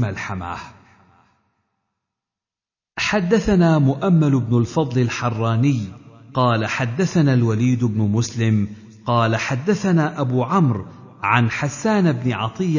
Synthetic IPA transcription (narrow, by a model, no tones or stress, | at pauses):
malħama̰ːh | ħad̪ːaθanaːmʊʔamːalʊbnʊlfɑd̪ˤlɪlħɑrˤːɑːnɪjqɑːlaħad̪ːaθanalwaliːd̪ʊbnʊmʊslɪm | qɑːlaħad̪ːaθanaːʔabuːʕamɾ | ʕanħasːaːnɪbnɪʕɑt̪ˤɨjː